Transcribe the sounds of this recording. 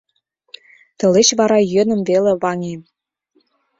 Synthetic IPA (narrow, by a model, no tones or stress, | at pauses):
t̪ɤ̆leɕβɑɾɑjø̆nə̆mvelĕβɑŋem